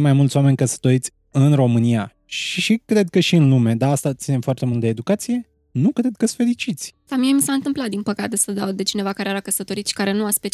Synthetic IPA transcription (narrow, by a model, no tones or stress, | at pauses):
majmult̪sʲwame̞nʲkəsə̥t̪o̞ɾit̪sʲ | ɨnro̞mɨnija | ʃiʃikɾe̞d̪̚kəʃiɨnlume̞d̪aːst̪at̪sine̞mfoart̪e̞mult̪d̪eːd̪ukat̪sije̞ | nukɾe̞d̪̚kəsfe̞ɾit͡ʃit̪sʲsamiemisaɨnt̪ɨmplat̪d̪inpəkat̪e̞səd̪awd̪e̞t͡ʃine̞vakaɾeːɾakəsət̪o̞ɾit̪ʃi̥kaɾe̞nuaspet͡ʃ